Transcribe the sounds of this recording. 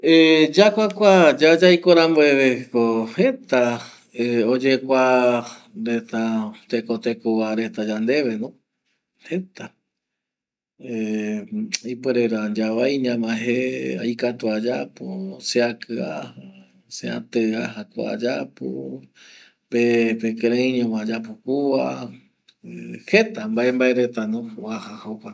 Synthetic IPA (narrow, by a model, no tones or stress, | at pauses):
ed͡ʒakʷakʷad͡ʒad͡ʒajkoɾamboeβekohet̪a | eod͡ʒekʷa | ɾet̪at̪ekot̪ekowaɾe̞t̪ad͡ʒand̪e̞ʋe̞nõ | het̪a | e | ipeɾeɾand͡ʒaβajɲãmãɦea̰jkat̪uad͡ʒaposeakʰɨa̰ha | seã̰t̪ɨaɦakʷa̰a̰d͡ʒapo̰ | pepekeɾẽĩɲãmãd͡ʒapokua | he̞t̪ambaʔembaeɾe̞t̪anõwahahakʷa